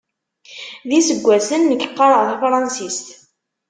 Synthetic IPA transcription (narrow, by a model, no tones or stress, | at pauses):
ðisəɡʷːæsənːəçəqːɑɾˤəʁθæfɾˤɑnsist̪